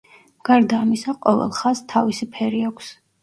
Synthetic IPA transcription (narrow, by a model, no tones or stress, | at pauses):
ɡ̥aɾd̪aːmisaqʼɔvɛ̰lˠχast̪ʰavisipʰɛɾiakʷʰs